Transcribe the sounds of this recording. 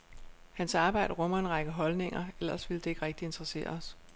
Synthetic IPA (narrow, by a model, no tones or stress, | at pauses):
hænsɑ̈ːb̥ɑ̈ɪ̰d̥əʁɔ̽m̰ɐe̝nʁɑ̈ɡ̥əɦɒ̽lne̝ŋ̰ɐel̰ɐsʋeld̥e̝e̝ɡ̥ʁɛɡ̥̚d̥ie̝nd̥ʁɐse̝̰ːɐ̰ɒs